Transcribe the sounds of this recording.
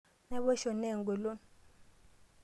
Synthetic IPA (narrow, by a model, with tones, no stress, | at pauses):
nɛ˦ɓɔ˦ʃɔ˨ne˦˨ŋɡu˨lɔ˦